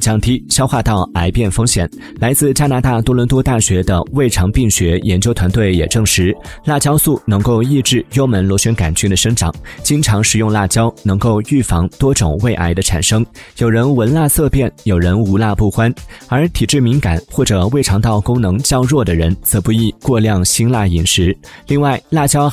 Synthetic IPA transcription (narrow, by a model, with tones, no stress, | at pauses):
t͡ɕjɑ˥ŋt̪i˥ɕjɑ˥ʊxwa˥˧t̪ɑ˥˩ʊa˧˥ɪpjɛ˥˩nfɤ˥ŋɕjɛ̰˨˩˦n | la˧˥ɪt͡sɹ̩˥˩˧t͡ɕja˥na˧˥t̪a˥˩t̪wɔ˥lwə˧˥nt̪wɔ˥t̪a˥˩ɕɥɛ˧˥d̪ə̰˧we˥˩ɪʈ͡ʂʰɑ˧˥ŋpi˥˩ŋɕɥɛ˧˥jɛ˧˥nt͡ɕjo˥ʊt̪ʰwa˧˥nt̪we˥˩ɪjɛ̰˨˩ʈ͡ʂɤ˥˩ŋʂɻ̩˧˥la˥˩t͡ɕjɑ˥ʊsu˥˩nɤ˧˥ŋko˥˧ʊi˥˧ʈ͡ʂɻ̩˥˩jo˥ʊmə˧˥nlwɔ˧˥ɕɛ˥nka˨˩nt͡ɕy˥˩d̪ə˩ʂɤ˥ŋʈ͡ʂɑ̰˨˩˦ŋt͡ɕi˥ŋʈ͡ʂʰɑ˧˥ŋʂɻ̩˨˩jʊ˥˧ŋla˥˩t͡ɕjɑ˥ʊnɤ˧˥ŋko˥˧ʊy˥˩fɑ˧˥ŋt̪wɔ˥ʈ͡ʂʊ˨˩ŋwe˥˧ɪʔa̰˧˥ɪd̪ə˧ʈ͡ʂʰa̰˨˩nʂɤ˥ŋjo˨˩ʊɻə˧˥nwə˧˥nla˥˧sɤ˥˧pjɛ˥˩njo˨˩ʊɻə˧˥nu˧˥la˥˧pu˥˩xwa˥nə˞˧˥t̪ʰi˨˩ʈ͡ʂɻ̩˥˩mi˧˥ŋka̰˨˩nxwɔ˥˩ʈ͡ʂɤ˨˩we˥˩ɪʈ͡ʂʰɑ˧˥ŋt̪ɑ˥˩ʊkʊ˥ŋnɤ˧˥ŋt͡ɕjɑ˥ʊɻwɔ˥˩d̪ə˩ɻə˧˥nt͡sɤ˨˩pu˧˩i˥˧kwɔ˥˧ljɑ˥˩ŋɕi˥nla˥˩i˨˩nʂɻ̩˧˥li˥˧ŋwa˥˩ɪla˥˩t͡ɕjɑ˥ʊ